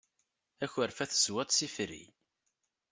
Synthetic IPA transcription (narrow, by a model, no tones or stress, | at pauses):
æçəɾfæθə̥swæt̪sifɾḭ